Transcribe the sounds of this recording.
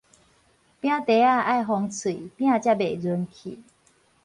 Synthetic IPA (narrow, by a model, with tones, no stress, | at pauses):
pj̃ã˦t̪e˨˦a˥˧ʔa˥˧jɦɔ˧ŋt͡sʰi˨˩˨pj̃ã˥˧t͡ɕja˥˧be˨˩d͡zu˧˦nkʰḭ˨˩˦